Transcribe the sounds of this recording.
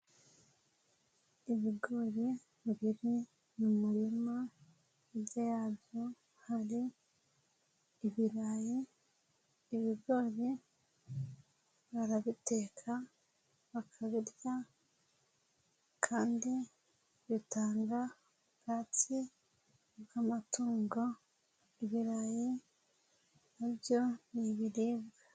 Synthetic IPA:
iβiɡo̞ːɾe | βiɾi | mumuɾima | ibjajaːbjo̞ | haɾi | βiɾaːji | βiɡo̞ːɾe | βaɾaβite̞ːkʰa | βakʰaβiɾja | kʰaːndi | βitaːŋɡa | ɡ̥aːti | ɡamatuːŋɡo | iβiɾaji | naβjo̞niβiɾiːβɡa

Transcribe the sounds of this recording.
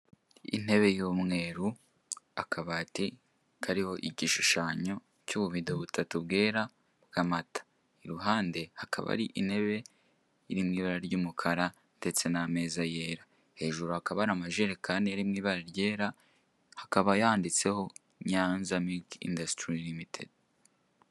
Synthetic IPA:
ḭn̥e̞βe̞jomŋe̞ːɾu | akaβati | kʰaɾiho̞ʔiɟiʃuʃaːɲo̞ | cuβuβidoβutʰatuβɡe̞ːɾa | βɡamatḁ | iɾuɦaːnde̞hakʰa̰βa̰ɾiʔin̥he̞βe̞ | iɾimŋiːβaɾaɾɟuːmukʰaɾa | de̞t͡se̞name̞ːzaje̞ːɾa | he̞ːʒuɾuhakaβaɾamaʒeɾekaːndijaɾimŋiːβaɾaɾɟe̞ːɾa | hakaβajaːndit͡se̞ho̞ | ɲaːnzamilkḭndastɾilimitʰḛd

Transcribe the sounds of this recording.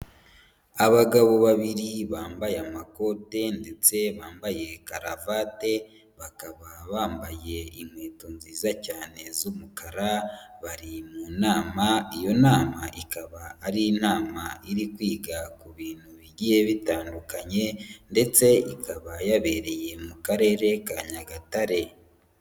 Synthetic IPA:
aβaɡaβo̞βaβiɾiβaːmbajamako̞te̞nde̞t͡se̞βaːmbaje̞kaɾavaːte̞ | βakaβaβaːmbaje̞imweːtunziːzacaːne̞zumukaɾaβaɾimuːnaːmaijo̞naːmaʔikaβaːɾinaːmaiɾikwiːɡakuβiːn̥huβiɟije̞βitaːndukaɲe̞nde̞t͡se̞ikʰaβajaβe̞ːɾe̞je̞mukaɾe̞ːɾe̞kaɲaɡataɾe̞

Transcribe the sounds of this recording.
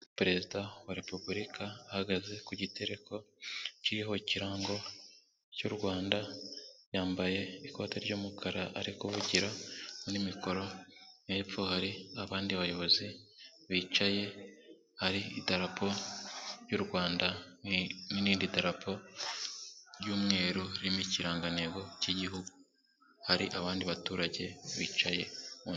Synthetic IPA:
pɾe̞zidawaɾe̞pubuɾikʰaːhaɡaze̞kuɟite̞ɾe̞kʰo̞ciɾiɦo̞ciɾaːŋɡo̞ | cuːɾɡwaːndajaːmbaje̞iko̞ːteɾɟuːmukʰaɾaʔa̰ɾikuβuɟiɾanimikʰo̞ɾo̞nepfohaɾiaβaːndiβajo̞βo̞zi | βiːt͡ʃaje̞ | haɾiḭdaɾapʰo̞ɾjuːɾɡwaːnda | niɾiːndidaɾapʰo̞ | ɾjuːmŋe̞ːɾoɾiɾimiciɾaːŋɡaneɡo̞ciɟiɦuɡu | haɾiʔaβaːndiβatuːɾaɟe̞βiːt͡ʃaje̞u

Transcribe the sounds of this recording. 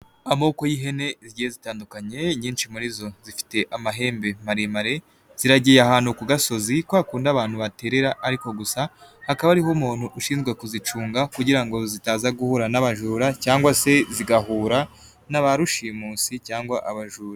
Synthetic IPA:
amo̞ːko̞jiɦe̞ne̞izɟihezitaːndukaɲe̞ɲiːnʃimuɾizo̞zifi̥te̞ʔamaɦe̞ːmbe̞maɾemaɾe̞ | z̥iɾaɟijaɦaːn̥hukuɡaso̞zikwaːkuːndaβaːn̥huβate̞ɾe̞ɾaʔːɾiko̞ɡusahakaβaːɾiɦomuːn̥huʔːʃiːnzɡwekuzit͡ʃuːŋɡakuɟiɾaŋɡo̞zitaːzaɡuhuɾanaβaʒuːɾacaːŋɡwase̞ziɡaɦuːɾa | naβaɾuʃimuːsicaːŋɡwaʔaβaʒuːɾa

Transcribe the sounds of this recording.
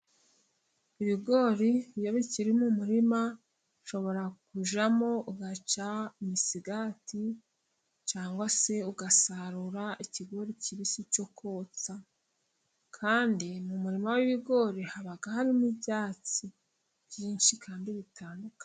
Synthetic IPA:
iβiɡo̞ːɾijoβiciɾimumuɾima | ʃo̞βo̞ɾakuʒamo̞ʔuɡat͡ʃaimisiɡati | t͡ʃaːŋɡwase̞uɡasaɾuɾaʔiciɡo̞ɾiciβisit͡ʃo̞kʰo̞ːt͡sa | kʰaːndimumuɾimawiβiɡo̞ɾihaβaɡahaɾinibɟaːt͡si | bjiːnʃikʰaːndiβitʰaːndukḁ

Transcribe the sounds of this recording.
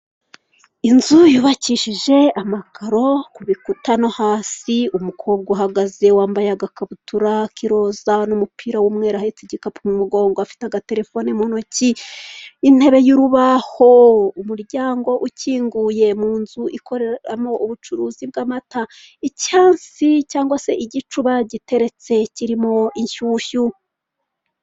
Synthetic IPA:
inzujuβaciʃiʒe̞amakʰaɾo̞kuβikutanohaːsiumukʰo̞ːb̚ɡaɦaɡaze̞waːmbajaɡakaβutuɾakʰiɾo̞zanumupʰiːɾawumŋe̞ːɾahet͡siɟikapumumuɡo̞ːŋɡoafi̥taɡate̞ɾe̞fonemo̞no̞ci | in̥he̞βe̞juɾuβaho̞umuɾɟaːŋɡo̞ʔuciːŋɡuje̞muːnzuʔikʰo̞ɾeɾamo̞ʔuβut͡ʃuɾuːzib̚ɡaːmata | icaːnsicaːŋɡwase̞ʔiɟit͡ʃuβaɟite̞ɾe̞t͡se̞ciɾimo̞iɲʃuːʃu

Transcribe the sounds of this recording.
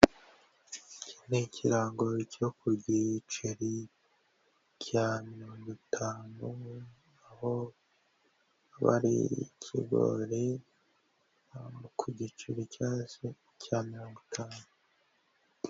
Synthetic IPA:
cʰinecʰiɾaːŋɡocokuɟit͡ʃiɾi | cʰamiɾoːŋɡitʰaːnu | aho | βa̰ɾḭcʰḭɡo̰ɾe | mukʰuɟit͡ʃiɾicase | cʰamiɾo̞ːŋɡutʰaːnu

